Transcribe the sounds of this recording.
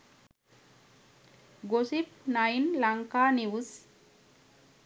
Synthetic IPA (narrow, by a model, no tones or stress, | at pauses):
ɡosip̚najnlaŋkaniwus